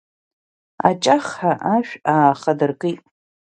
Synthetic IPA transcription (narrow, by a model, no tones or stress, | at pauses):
a̰t͡ʃʼaχħaʔaʃᶣaːχadɨrkʼijtʼ